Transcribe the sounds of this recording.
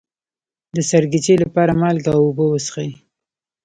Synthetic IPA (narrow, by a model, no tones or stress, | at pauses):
d̪əsaɾɡit͡ʃelapɑɾamɑlɡawʊbəwəsxai